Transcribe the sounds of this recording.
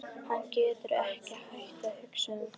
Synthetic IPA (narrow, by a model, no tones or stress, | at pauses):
hanːcɛːt̪ʏɾɛhcɪhaht̪ahʏksʏn